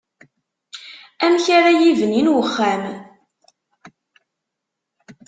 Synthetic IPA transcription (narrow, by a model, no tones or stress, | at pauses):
æmçaɾajivəninwəχːæm